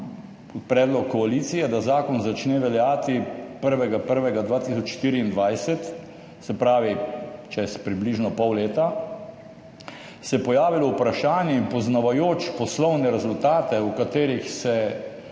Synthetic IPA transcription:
pɾɛːd̪lɔkʰːɔalit̪sijɛd̪azaːkɔnzat͡ʃnɛːʋɛljaːt̪ipəɾʋɛɡapəɾʋɛɡad̪ʋaːt̪isɔt͡ʃʃt̪iːɾiːnd̪ʋajsɛt̪ | sɛpɾaːʋit͡ʃɛspɾibliʒnɔpɔwleːt̪a | sɛpɔjaːʋilɔwpɾaʃaːnjɛimpɔznaʋajoːt͡ʃpɔslɔwnɛɾɛzʊlt̪aːt̪ɛwkat̪eːɾixsɛ

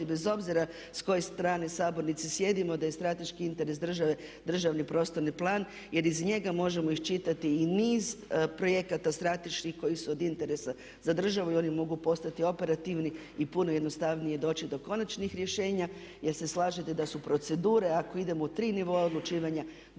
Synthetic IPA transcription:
ibezo̞bziɾa | sko̞jest̪ɾaːnesaːbo̞ɾnit̪sisje̞d̪imod̪aje̞st̪ɾat̪e̞ʃkiint̪e̞ɾe̞sd̪r̩ʒaʋe̞d̪r̩ʒaʋnipɾo̞ːst̪o̞ɾniplˠaːn | je̞ɾizɲe̞ɡamo̞ʒe̞mo̞ixt͡ʃit̪at̪iːniːzpɾo̞je̞kat̪ast̪ɾat̪e̞ʃkixko̞jisuod̪int̪e̞ɾe̞sa | zad̪r̩ʒaʋuio̞nimo̞ɡupo̞st̪at̪io̞pe̞ɾat̪iʋni | ipuno̞jed̪nost̪aʋnijed̪o̞ːt͡ʃid̪o̞ko̞nat͡ʃnixɾje̞ʃe̞ːɲa | je̞ɾse̞slˠaːʒit̪ed̪asupɾo̞t̪se̞d̪uːɾeako̞id̪e̞mo̞ut̪ɾiːniʋo̞aod̪lˠut͡ʃiːʋaɲa

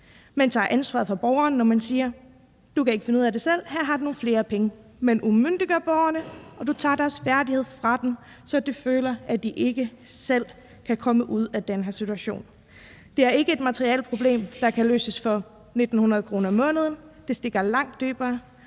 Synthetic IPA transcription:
mænt͡sʰɑ̰̈ʔænsʋɑ̈ðˠfʁɑ̈b̥ɒʊɐnːɒmænsiːɐ | d̥ukæe̝ɡ̥əfe̝nuð̰ˠæd̥e̝sel̰hæɐ̰ɦɑ̈duno̝ːn̩fle̝ːɐpʰeŋə | menʔumøn̰d̥iɡ̥ɐb̥ɒʊɐnəʔɒ̽d̥ut͡sʰɑ̰̈ːd̥æɐsfæɐdihe̝ð̞̰ˠfʁɑ̈d̥em | sɒ̽d̥eføːlɐʔæd̥iʔe̝ɡ̥əsel̰ | kʰækʰɒ̽məʔuð̞̰ˠæd̥enɦæɐsit͡sʰuæɕo̝̰ːn | d̥e̝æɐe̝ɡ̥əe̝d̥mæt͡sʰʁiɛ̰lpʰʁo̝b̥le̝̰ːmd̥ɑ̈kʰælø̰ːsəsfɒ̽ | ne̝d̥n̩hunʁɐðˠkʰʁo̝ːnɐmɔ̽ːnəð̞̩ˠən̩d̥e̝sd̥e̝ɡ̥ɐlɑ̈ŋ̰d̥ːø̰ːb̥ɐː

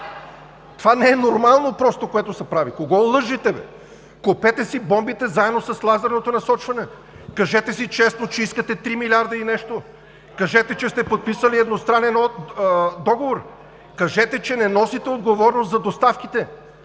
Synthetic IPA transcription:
t̪ovanɛɛnoɾmalˠnopɾɔst̪okoɛt̪osɛpɾavikoɡɔlˠɤʒit̪ɛvɛ̰ | kopɛt̪ɛsibɔmbit̪ɛzaɛd̪nosɐslˠazɛɾnot̪onɐsɔt͡ʃvɐnɛ | kɐʒɛt̪ɛsit͡ʃɛsnot͡ʃɛiskət̪ɛt̪ɾimilʲaɾd̪ɐinɛʃt̪o | kɐʒɛt̪ɛt͡ʃɛst̪ɛpot̪̚pisəliɛd̪nost̪ɾanɛnɔ | d̪ɔɡovoɾ | kɐʒɛt̪ɛt͡ʃɛnɛnɔsit̪ɛod̪ɡovɔɾnost̪zɐd̪ost̪afk̟it̪ɛ

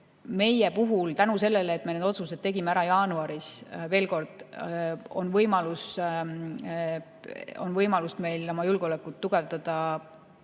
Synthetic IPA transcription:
me̞jepuɦult̪ænuse̞lːe̞leːt̪ːˑmened̪o̞t̪suse̞d̪̚t̪e̞ɡimeæɾɑjɑːnuɑɾisve̞ːlko̞rd̪̥ | o̞̰nvɤjmɑlus | o̞̰nvɤjmɑlust̪me̞jlomɑjulɡ̥o̞lekːˑut̪ːuɡ̥e̞vd̪ɑd̪̥ɑ

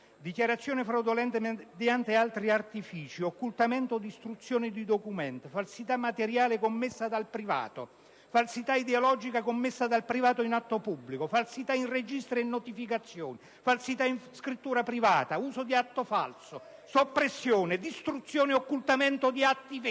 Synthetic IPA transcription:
d̪ikjaɾat̪sːjoːnɪfɾawd̪olɛnt̪ed̪jant̪ealt̪ɾiart̪ifiːt͡ʃiokːult̪amɛnt̪od̪ist̪ɾut̪sːjoːnɪd̪id̪okumɛnt̪falsit̪amːat̪eɾjaːlɪkomːɪsːad̪alpɾiva̰ːt̪o̰ | falsit̪aid̪eolɔd͡ʒikakomːɪsːad̪alpɾivaːt̪oinat̪ːopubːlikofalsit̪ainred͡ʒist̪ɾenːot̪ifikat̪sːjoːnɪ | falsit̪ainskɾit̪ːuːɾapɾivaːt̪auːsod̪iat̪ːofa̰lsosopːɾesːjoːned̪ist̪ɾut̪sːjoːneokːult̪amɛnt̪od̪iat̪ːiv

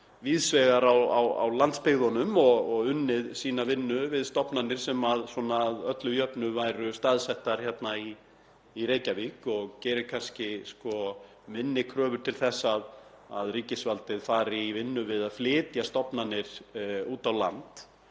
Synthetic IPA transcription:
viːðsvɛɣaɾawa̰wa̰wlant̪spɪɣðɔnʏmɔɣɔɣʏnːɪðsiːnavɪnːʏvɪðst̪ɔpnanːɪɾ̥sɛmaðswɔnaːðœt̪lʏjœpnʏvajɾʏst̪aðsɛht̪aɾ̥çɛt̪naiː | ɾeːjcavikɔɣcɛːɾɪkʰanscɪskɔ | mɪnːɪkʰɾœːvʏɾ̥t̪ʰɪlθɛsːað | a̰ðriːcɪsvalt̪ɪðfaːɾɪvɪnːʏvɪðaðflɪːt̪jast̪ɔpnanɪɾ̥uːt̪awla̰nt̪

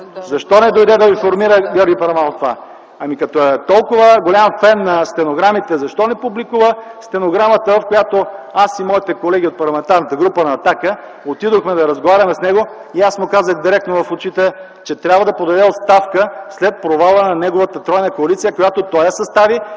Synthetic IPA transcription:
zɐʃt̪ɔnɛd̪ojd̪ɛd̪ɐifoɾmiɾəɡʲjɔɾɡʲipɐɾɐmanot̪ːova | ɐmikɐt̪ɔɛt̪ɔlˠkʊvəɡolʲamfɛnːɐst̪ɛnoɡɾamit̪ɛzɐʃt̪ɔnɛpublikuvəst̪ɛnoɡɾamət̪əvɐfkojat̪oasimɔit̪ɛkolɛɡʲiot̪̚pɐɾlˠɐmɛnt̪aɾnət̪əɡɾupənɐːt̪akə | ot̪id̪oxmɛd̪ɐɾɐzɡovaɾʲɐmɛsnɛɡoiasmʊkazəxd̪iɾɛk̚t̪novɐfot͡ʃit̪ɛ | t͡ʃɛt̪ɾʲabvəd̪ɐpod̪ɐd̪ɛot̪st̪afkəslɛt̪̚pɾovalˠənɐnɛɡovət̪ət̪ɾɔjnəkoɐlit̪sijəkojat̪ot̪ɔjɐsɐst̪avi

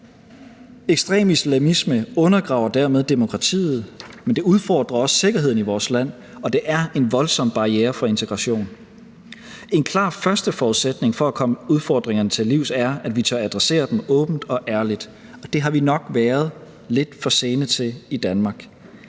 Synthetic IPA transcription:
eɡ̥sd̥ʁḛːmislæmisməɔ̽nɐɡ̥ʁɑ̈ʊɐd̥æɐmeð̞ˠd̥e̝mo̝kʰʁɑ̈t͡sʰḭːð̩ˠmend̥e̝uð̞ˠfɒ̰ːd̥ʁɐɒ̽sse̝ɡ̥ɐɦe̝ð̰ˠn̩iʋɒːslæn̰ | ɒ̽d̥e̝ʔæɐe̝nʋɒ̽lsɒ̽m̰b̥ɑ̈ieːɐfɒ̽e̝nt͡sʰeɡ̥ʁɑ̈ɕo̝̰ːn | e̝nkʰlɑ̰̈ːfɶɐsd̥əfɒːuðˠsed̥ne̝ŋfɒ̽ækʰɒ̽məuðˠfɒ̰ːd̥ʁeŋɐnət͡sʰe̝liʊð̩ˠæɐæd̥ʋit͡sʰɶɐæd̥ʁɛse̝̰ːɐd̥emɔ̽ːb̥n̩d̥ɒ̽ʔæɐlid̥ | ɒ̽d̥e̝ɦɑ̈ʋinɒ̽ɡ̥ʋæːɐð̞̩ˠ | le̝d̥fɒ̽se̝ːnət͡sʰe̝lid̥ænmɑ̈ːɡ̥

